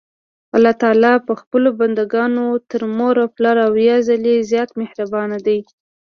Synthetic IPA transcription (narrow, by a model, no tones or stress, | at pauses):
alːɑt̪ɑlɑpəxpəloband̪aɡɑnot̪əɾmoɾawplɑɾawjɑzalezjɑt̪mɪhɾabɑnad̪aj